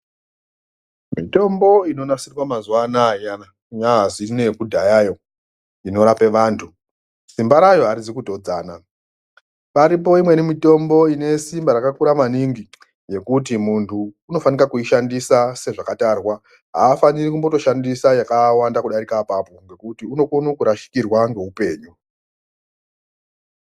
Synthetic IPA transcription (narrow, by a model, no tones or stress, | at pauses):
mito̞mbo̞ino̞nasirwamazuwanajana | jaɦazine̞kudʱajajo̞ | ino̞ɾape̞ʋaːntʰu | simbaɾajo̞aɾizikudʱo̞d͡zaːna | paɾip̬o̞imwe̞nimito̞mbo̞ine̞simbaɾakakuɾamaniŋɡi | je̞kut̬imuntʰuː | no̞faniɾakuiʃandisase̞ʐakatarwa | ɦaːfanirikumbo̞to̞ʃandisajakawandakuɗaɾikapapo̞ŋɡe̞kutiuno̞kunukuɾaʃi̥kirwaŋɡe̞upe̞ːɲu